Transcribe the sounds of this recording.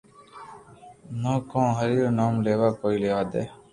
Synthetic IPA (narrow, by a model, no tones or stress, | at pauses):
nõːkõːɦəɾiːɾnaːmleːʋaːkoːiːleːʋaːd̪ḛː